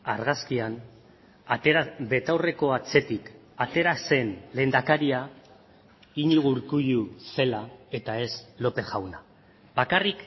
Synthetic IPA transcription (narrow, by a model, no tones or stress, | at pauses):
aɾɣaskian | at̪eɾabe̞t̪awre̞ko̞at͡se̞t̪ik | at̪e̞ɾase̞nle̞ːnd̪akaɾia | iɲiɣ̞uɾkujuse̞lae̞t̪ae̞slo̞pe̞ʝawna | bakarik